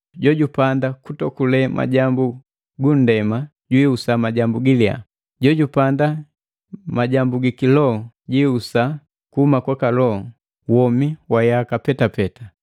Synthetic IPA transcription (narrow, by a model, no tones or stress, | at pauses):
ɟɔɟupandakutɔkulɛmʔa̰ɟambu | ɡun̩dɛma | ɟwiusamaɟambuɡilia̰ | ɟɔɟupanda | maɟambuɡikilɔ | ɟiusa | kuhumakwakalɔ | wɔmiwajakapɛtapɛta